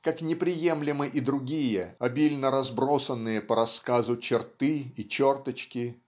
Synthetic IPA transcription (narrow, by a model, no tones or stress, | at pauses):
kaknʲɪpɾʲɪje̞mlʲɪmɨʔid̪ɾʊɡʲijəɐbʲilʲnəɾɐzbɾo̞sənːɨjəpəɾɐskazʊt͡ɕɪrt̪ɨit͡ɕo̞rt̪ət͡ɕkʲɪ